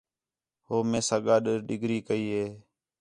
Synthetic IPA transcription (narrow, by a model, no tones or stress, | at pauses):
ɦoːmẽːsaːɠaːɗəɾɗɪɡʱɾiːkəiːɦeː